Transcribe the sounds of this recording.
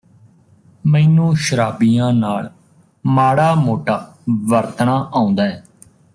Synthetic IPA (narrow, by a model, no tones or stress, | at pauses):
mɛ̃ːnũːʃəɾaːbijãːnaːɭ | maːɽaːmoːʈaː | ʋəɾt̪ɳãːʔãːʊ̃nd̪aːɦɛː